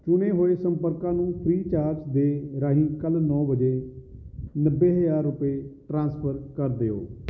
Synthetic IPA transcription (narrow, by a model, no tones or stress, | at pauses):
t͡ʃʊneːɦoːeːsəmpəɾkãːnũːpʰɾiːt͡ʃaːɾd͡ʒd̪eːɾaːɦĩːkəlnɔːbəd͡ʒeː | nəbːeːɦəd͡ʒaːɾːʊpeːʈɾãːnspʰəɾkəɾd̪eːo̰ː